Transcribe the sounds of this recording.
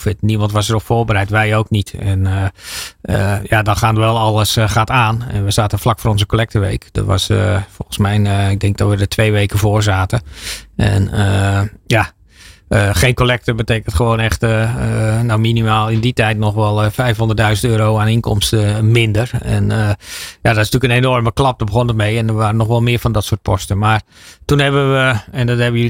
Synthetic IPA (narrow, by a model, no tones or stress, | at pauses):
fɪtnimɑntʋɔsərɔpfoːrbəɾɛjtʋɛjowknitɛn | əjadɔnxaːntʋɛlˠɑlˠəsxaːtaːnɛ̰nʋəz̥aːtəflakfoːɾɔnzəkolɛk̚təʋḛjkd̥ɔ̰tʋa̰sfɔ̰lˠxənsmɛjnɪɡ̚dɛŋk̚dɔtʋədətʋejʋejkəvoːrzaːtəɛ̰nəja | əxeːnkolɛk̚təbəteːkəntχəʋoːnɛxt | nawminimaːlˠɪnditɛjtnɔxʋɛlˠəfɛjfɦɔndədœɥzəntøːɾowaːnɪnkɔ̰mstəmɪndərɛ̰nəjadɔtɪsntyəkənenɔrməklɑp̚dɔbəɣonətmejɛndərʋaːrənɔxʋɛlˠmɪːɹfɔndɔtsʊːət̚pʰɔstəmaːrtunɦɛbəʋəɛndɔthɛbəj